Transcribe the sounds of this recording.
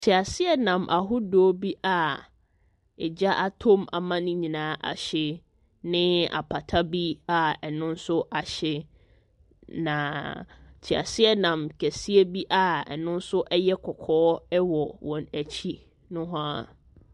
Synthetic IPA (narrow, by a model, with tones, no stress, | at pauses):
t͡ɕʰi˨a˨sɪ˦ɛ˦nã˨mʔa˨ɦʊ˦dɔː˨˦bi˦ʔa˨ | ɛ˨d͡ʑa˦ʔa˨tʰo˦ma̰˨mã˦nʊ̃˦ɲĩ˨nãː˨˦ʔa̰˨ɕɪ˦ | nɪ̃˦a̰˨pʰa˨tʰa˦bi˦a˨ɛ˨nʊ̃˦n̩˦sʊ˦ʔa˨ɕɪ˦ | nã˨ | t͡ɕʰi˨a̰˨sɪ˦ɛ˦nã˨mkʰæ˨si˦e˦bi˦ʔa˨ɛ̰˨nʊ̃˦n̩˦sʊ˦ʔɛ˦jɛ˦kʰɔ˨kʰɔː˦ɛ˦wɔ˨wɔ̃˨næ˨t͡ɕʰi˦ | nʊ̃˦ɦʊ̃˦a˦